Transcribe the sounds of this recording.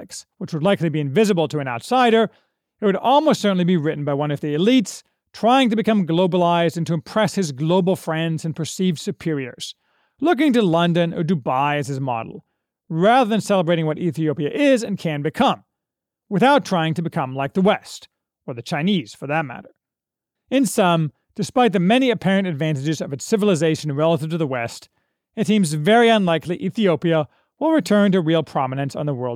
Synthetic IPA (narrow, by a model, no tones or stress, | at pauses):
kswət͡ʃwədˡlaɪklibiɨ̃ɱvɪzɨbl̩ˠtʰɨɨ̃naʊtsaɪɾə˞ | ɨt̚wɨɾɔlˠmoʊstsɜ˞ʔn̩libiɹɪʔn̩baɪwʌ̃nʌvðiɨlits | tʰɹ̥aɪɪ̃ŋtɨbɨkʌ̃mɡloʊbəlaɪzdɨ̃ntʰɨɨ̃mpʰɹ̥ɛshɨzɡloʊbl̩ˠfɹɛ̃ndzɨ̃npʰə˞siv̥sɨpʰɪɹiə̰˞z̥ | lʊk̬ɪ̃ŋtɨlʌ̃ndɨ̃nə̰˞dɨbaɪɨz̥ɨzmɑ̰ɾl̩ˠ | ɹæðə˞ðɨ̃nsɛlˠəbɹeɪɾɪ̃ŋwʌɾʔiθioʊpiɨʔɪzɨ̃nkʰɨ̃nbɨkʰʌ̃m | wɨθaʊtʰɹ̥aɪɪ̃ŋtɨbɨkʰʌ̃mlaɪk̚ðəwɛst | ə˞ðɨt͡ʃʰãɪ̃niz̥fə˞ðɨt̚mæ̰ɾə˞ | ɨ̃nsʌ̃m | d̥ɨspaɪt̪̚ðɨmɛniɨpʰɛɹɨ̃ntɨdvæ̃ntɨd͡ʒɨzʌvɨtsɪvl̩ˠəzeɪʃɨ̃nɹɛlˠəɾɨv̥tʰɨðəwɛst | ɨtsĩmzvɛɹiʌ̃nlaɪkliʔiθioʊpiɨ | wəlˠɹɨtʰɜ̃˞ntɨɹilˠpʰɹ̥ɑmənɨ̃nsn̩ðəwɜ˞lˠd̥